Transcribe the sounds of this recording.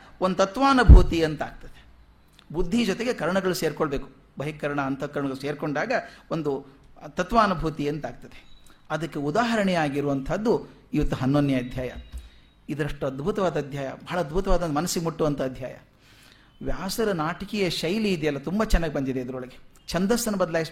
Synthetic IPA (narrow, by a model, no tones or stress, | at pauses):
ond̪ut̪ɐt̪ʋaːnɐbʱuːt̪iɐnt̪aːɡ̚t̪ɐd̪e | bud̪ʱːid͡ʒɔt̪eɡekɐɾɐɳɐɡɐɭuseːɾkoɭɐbe̞ːku̥ | bɐɦikɐɾɐɳɐːnt̪ʰɐkɐɾɐɳɐɡɐɭuse̞ːɾkoɳɖaːɡɐond̪u | t̪ɐt̪ʋaːnɐbʱuːt̪iɐnt̪aːɡ̚t̪ɐd̪eɐd̪ɐkːe̞ud̪aːɦɐɾɐɳɛjaːɡiɾuʋɐnt̪ʰɐd̪ːu | iʋɐt̪ːuɦɐnːonːjɐɐd̪ʱjaːjɐ | id̪ɐɾɐʂʈːuɐd̪bʱut̪ɐʋaːd̪ɐːd̪ʱjaːjɐ̰bɐɦɐɭɐɐd̪bʱut̪ɐʋaːd̪ɐnɐmɐnɐsːiɡemuʈːuʋɐnt̪ʰɐːd̪ʱja̰ːjɐ̰ | ʋjaːsɐɾɐnaːʈɐkɛjɐʃɐjliːd̪ɛjɐlːɐt̪umbɐt͡ʃɛnːaːɡʲibɐnd̪id̪eid̪ɐɾɔɭɐɡe | t͡ʃɐnd̪ɐsɐnubɐd̪ɐlaːjis